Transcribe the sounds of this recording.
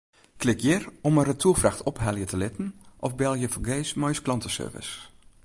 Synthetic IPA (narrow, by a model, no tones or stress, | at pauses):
klɪkjɪrɔmərətʰuəfraxtʰɔphɛlˠjətʰəlɪtn̩ʔɔfbɛlˠjəfɔɡeːsmɔjsklɑntəsø̰ːrvɪ̰s